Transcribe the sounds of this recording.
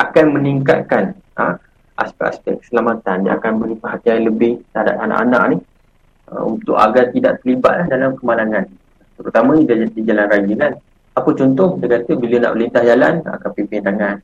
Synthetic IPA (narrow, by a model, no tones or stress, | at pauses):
akanmə̃niŋka̰t̪̚kanə | a̰spɛ̰ʔaspɛ̰kːə̥səlamat̪anːã̰a̰kanbəlipəɦat̪ialəbɪht̪ada̰pana̰ʔa̰na̰ʔ̚nih | ə̰unt̪ʊ̰ʔa̰ɡat̪idaʔt̪əliba̰t̪̚lahdalamkəmalaŋan | t̪əɾut̪amə̃idaadid͡ʒalanrad͡ʒilan | apət͡ʃɔnt̪ʊhdəkat̪ubilana̰ʔpəlint̪ahd͡ʒalana̰kapipindaŋan